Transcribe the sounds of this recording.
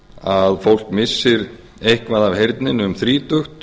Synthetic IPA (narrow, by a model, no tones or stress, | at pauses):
aðfowl̥kmɪsːɪɾ | ejhkvaðavhejɾt̪nɪnʏmθɾiːt̪ʏxt̪